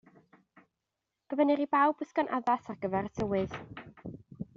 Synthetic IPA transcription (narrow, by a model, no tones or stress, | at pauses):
ɡ̥əvɛniɾibawbəθkɔnʔa̰ðasarɡəvɛɾətʰəwɨð